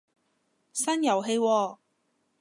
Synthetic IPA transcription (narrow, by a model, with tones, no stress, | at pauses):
sɐ˥njɐ˨˩wɦe˧jwɔː˧